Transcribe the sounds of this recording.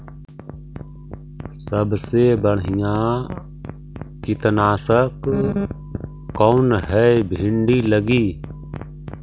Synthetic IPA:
səbsebəɽɦɪjã | kɪt̪ənaːsək | koːnɦɛbʱɪɳɖiːləɡiː

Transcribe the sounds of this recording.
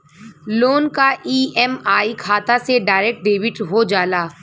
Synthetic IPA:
loːnkaʔiːɛmaːikʰaːt̪aseɖaːɪɾek̚ʈ̚ɖeːʋɪʈɦod͡ʒaːlaː

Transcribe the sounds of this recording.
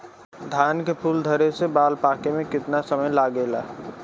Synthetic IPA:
d̪ʱankepʰuld̪ʱəɾesebalpakemekɪt̪nasəməjlaɡela̰

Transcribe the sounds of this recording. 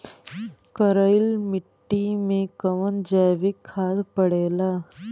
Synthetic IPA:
kəɾəjɪlmɪʈʈːimẽkəʋənd͡ʒaːʋikʰːaːd̪pəɽeːlaː

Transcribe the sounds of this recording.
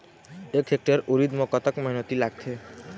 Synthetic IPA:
ekʰek̚ʈaɾoɾid̪mɔkɔt̪akmɔɦinot̪ilaɡ̚t̪ʰe

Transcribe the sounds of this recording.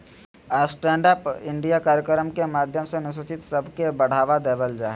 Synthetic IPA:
aːsʈɛ̃ːɳɖaːpɪ̃ɳɖijakaːɾjəkəɾəmkemaːd̪ʱjəmsenʊʃ̬ot͡ʃɪt̪səbʱkebəɽ̤aːʋad̪eːʋəld͡ʒaːɦe

